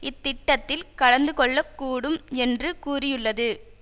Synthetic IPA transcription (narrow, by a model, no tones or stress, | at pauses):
ɪt̪ːɪʈːɐt̪ːɪlkɐɽɐnd̪ɯkɔɭːɐkːuːɽɯmɛndrɯkuːrɪjɯɭːɐðɯ